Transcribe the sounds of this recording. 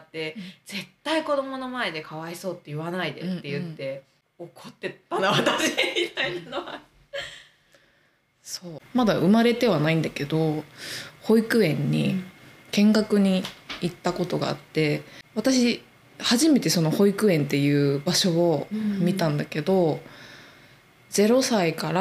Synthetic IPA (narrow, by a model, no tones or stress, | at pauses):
t̪ːe̞d͡ze̞t̪ːaiko̞d̪o̞mo̞no̞mae̞d̪e̞kʰaβaiso̞ːt̪ːejɯβanaid̪eːe̞jɯ̟t̪ːe̞ | okʰot̪ːe̞anaβat̪aɕimit̪ainanoa | soːmad̪aʔɯ̟maɾe̞t̪e̞β̞anaĩnd̪ake̞d̪o̞ | ho̞ikɯ̟ẽ̞ɲ̟ːi | kẽ̞ŋɡakɯ̟ɲ̟iːt̪ːako̞t̪o̞ɡa̰ːt̪ːe̞βat̪aɕi | haʑime̞t̪e̞so̞no̞ho̞ikɯ̟ẽ̞nt̪ːe̞jɯ̟ːbaɕo̞ːmʲit̪ãnd̪ake̞d̪o̞ | d͡ze̞ɾo̞saikaɾa